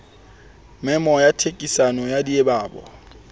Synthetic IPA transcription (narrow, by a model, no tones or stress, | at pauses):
mɛmɔjatʰekʼisanɔjadiebaːbɔ̰